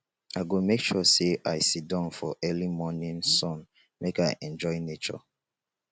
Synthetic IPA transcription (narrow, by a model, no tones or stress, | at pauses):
aɪɡomekʃɔseʔaɪsit̚dãʊ̃nfɔʔɜlimɔnĩnsɔ̃n | mekaɪʔɛ̃nd͡ʒɔɪnet͡ʃɔ̰